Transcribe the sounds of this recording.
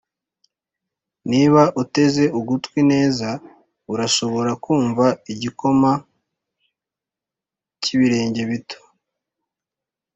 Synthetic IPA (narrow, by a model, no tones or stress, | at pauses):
niβaʔute̞ze̞uɡutkwine̞ːza | uɾaʃo̞βo̞ɾakuːɱvaiɟiko̞ma | ciβiɾe̞ːɲɟe̞βito̥